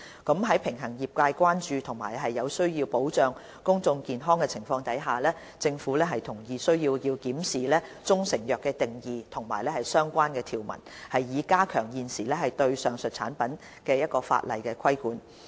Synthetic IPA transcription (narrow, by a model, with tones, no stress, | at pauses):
kɐ˨˥mɦɐ˨˥jpʰɪ˨˩ŋɦɐ˨˩ŋjiː˨˩p̚kaː˧jkʷaː˥nt͡ʃyː˧t̪ʰʊ˨˩ŋmaː˨˩jɦɐ˨jːɐ˨˧wsɵ˥ɥjiː˧wpo˨˥wt͡ʃœː˨ŋ | kʊ˥ŋt͡sʊ˧ŋkiː˨nɦɔː˥ŋkɛ˧t͡sʰɪ˨˩ŋfɔː˧ŋt̪ɐ˨˥jɦaː˨˩lɛː˥ | t͡sɪ˧ŋfuː˨˥lɛː˥ɦɐ˨jt̪ʰʊ˨˩ŋjiː˨˧sɵ˥ɥjiː˧wjiː˧wkiː˨˥msiː˨lɛː˥t͡sʊ˥ŋsɪ˨˩ŋjœː˨kːɛː˧t̪ɪ˨˩ŋjiː˨t̪ʰʊ˨˩ŋma̰ː˨˩jlɛː˥hɐ˨˩jsœː˥ŋkʷaː˥nkɛː˧t̪ʰiː˨˩wmɐ̰˨˩nhɐ˨jjiː˨˧kaː˥kʰœː˨˩ŋjiː˨nsiː˨˩lɛː˥hɐ˨˩jt̪ɵ˧ɥsœː˨ŋsɵ˨t̚t͡sʰa̰ː˨˥npɐ˨˥n | kɛː˧jɐ˥t̚kɔː˧fa̰ː˧t̚lɐ̰˨jkɛː˧kʰɐ˥jkuː˨˥n